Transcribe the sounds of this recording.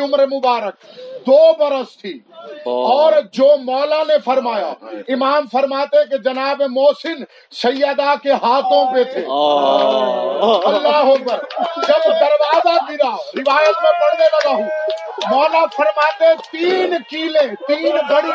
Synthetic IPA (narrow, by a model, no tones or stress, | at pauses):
ʊmɾmʊbaːɾək̚d̪oːbəɾəst̪ʰiː | ɔːɾd͡ʒoːmɔːlanepʰəɾmaːjaɪmaːmpʰəɾmaːt̪eked͡ʒɐnaːbemoːsɪn | səjjaːd̪akeɦaːt̪ʰõpet̪ʰeː | ɐlːaɦopəɾd͡ʒəbd̪əɾwaːzabɪɾaɾɪʋaːjət̪mẽpɐɽd̪eləɡaɦũ | mɔːlapʰəɾmaːt̪et̪iːnkiːlẽt̪iːnbəɽi